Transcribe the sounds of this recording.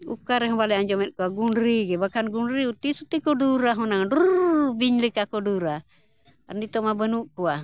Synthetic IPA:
ukaɾɛɦɔbalɛaɲd͡ʒɔmɛt̪̚ˀkuaɡunɾiɡɛbakanɡunɾiut̪isut̪ikɔduɾaɦɔnaŋdubiɲlɛkakɔduɾa | andit̪ɔmabənuʔkua

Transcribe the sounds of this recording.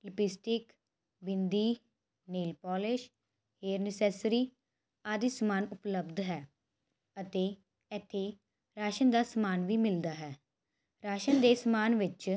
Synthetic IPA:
ləpɪsʈɪk | bɪnd̪iː | neːlpɔːlɪʃ | heːɾnɪsɛːsɾiː | aːd̪iːsəmaːnʊpləbd̪ɦɛː | ət̪eː | ɛt̪ʰːeː | ɾaːʃənd̪aːsmaːnʋiːmɪld̪aːɦɛː | ɾaːʃənd̪eːsmaːnʋɪt͡ʃ

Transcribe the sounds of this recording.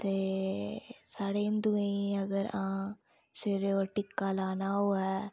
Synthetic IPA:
t̪eː | saːɽeːnd̪uẽəɡəɾãː | sɪɾoʈɪkːaːlaːnaːɦoːɛː

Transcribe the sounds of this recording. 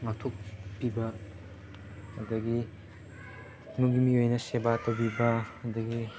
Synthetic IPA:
ŋatʰok̚pibɐ | ɐdɐɡi | nuɡimiojnɐsebatɐwbibɐɐd̪ɐɡi

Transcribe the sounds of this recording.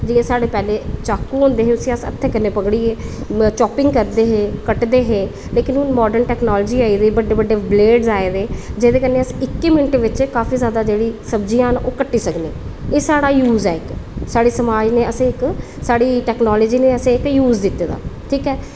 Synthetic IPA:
d͡ʒiːẽːsaːɽeːpɛːleːt͡ʃaːkːũːɦõnd̪eːɦẽʊsĩːəsə̰t̪ʰːeːkənːeːpəɡɽiːeːt͡ʃɔːpɪŋɡkəɾd̪eːɦẽːkəʈd̪eːɦeː | leːkɪnɦʊnmɔːɖənʈɛːknɔːləd͡ʒiːaːiːd̪eːbəɖeːbəɖːeːbleːɖzaːeːd̪eːd͡ʒeːd̪eːkənːeːəsɪkːeːmɪnʈeːʋɪt͡ʃkaːfʰiːzjaːd̪aːd͡ʒeːɽiːsəbd͡ʒijãːnʔoːkəʈːiːsəknḛːeːsaːɽaːjuːzɛːɪksaːɽiːsəmaːd͡ʒneːəsẽːɪk | saːɽiːʈɛːknɔːləːd͡ʒiːneːəsẽːɪkjuːzd̪ɪt̪ːeːd̪a̰ːʈʰiːkɛː

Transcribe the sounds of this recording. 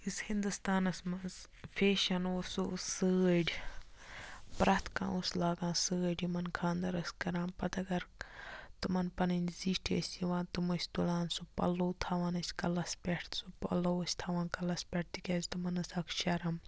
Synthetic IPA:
ishĩnd̪ust̪aːnɐsmɐnz | fʰeːʃɐnoːsusəːɖʲ | pɾɐt̪ʰkã̰ːoslaːɡãːsɨːɖʲimɐnkʰãːnd̪ɐɾɐskɐɾãːnpɐt̪ɐɡɐɾt̪ɨmɐnpɐninziːʈʰḛsʲiʋãːnt̪umɐsʲt̪ulaːnsupɐ̰loːt̪ʰaːʋaːnɐsʲkɐlɐspʲeʈʰt̪supɐ̰loɐsʲt̪ʰaːʋaːnkɐlɐspʲɐʈ̚ʰt̪ikʲɐːzʲt̪umɐnɐsɐkʰʃɐɾɐm

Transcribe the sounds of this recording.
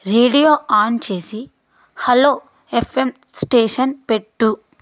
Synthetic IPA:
ɾeːɖijoːaːnt͡ʃe̞ːsi | hɐloː | epʰːem | sʈeːʂɐnpeʈːu

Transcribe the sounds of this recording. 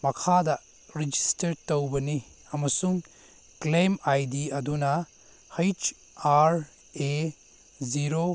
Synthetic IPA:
mɐkʰadɐ | ɾid͡ʒistɐɾtɐwbɐni | ɐmɐsuŋ | klemajdiɐdunɐ | hajt͡ʃ | aɾ | e | ziɾo

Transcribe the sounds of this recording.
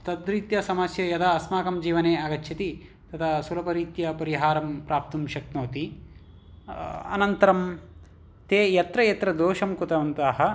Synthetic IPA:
t̪ɐd̪ɾit̪jɐsɐmɐsjɐjɐt̪ʰɐːsmaːkɐmd͡ʒiːʋɐneːɐɡɐt͡ʃːt͡ʃʰit̪i | t̪ɐt̪ʰɐsulɐpɐɾiːt̪jɐpɐɾiɦaːɾɐmpɾaːp̚t̪umʃɐknoːt̪i | ɐ̰nɐnt̪ɐɾɐm | t̪eːjɐt̪ɾɐjɐt̪ɾɐd̪oːʃɐmkut̪ɐʋɐnt̪aːɦɐ̆

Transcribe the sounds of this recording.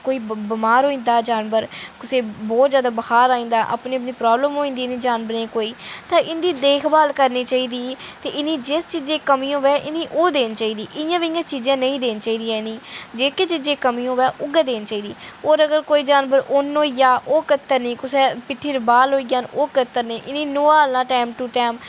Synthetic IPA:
koːiːbəmaːɾɦoːĩːnd̪aːd͡ʒaːnbəɾkʊseːbɔːt̪zjaːd̪aːbəkaːɾaːĩnd̪aːʔa̰ːpniːəpniːpɾaːbləmɦoːĩːnd̪iːnĩːd͡ʒaːnbəɾnẽːkoːiːt̪ãːʔɪnd̪iːd̪eːkʰbaːlkəɾniːt͡ʃaːiːd̪iːt̪eːʔɪniːd͡ʒɪst͡ʃiːd͡ʒẽːkəmĩːõːʋɛːʔɪnĩːʔoːd̪eːnt͡ʃaːiːd̪iːʔɪjãːʋiɪjãːt͡ʃiːd͡ʒãːnəĩːd̪eːnt͡ʃaːiːd̪ijãːɪnĩːd͡ʒeːkeːt͡ʃiːd͡ʒẽːkəmiːõːʋɛːʔʊɡãːd̪eːnt͡ʃaːiːd̪iːoːɾəɡəɾkoːiːd͡ʒaːnbəɾoːnoːijaːʔoːkət̪ːəɾnĩːkʊseːpɪʈʰːiːɾbaːlɦoːiɡaːnoːkət̪ːəɾneːʔɪnĩːnoːaːlãːʈaːmʈuːʈaːm

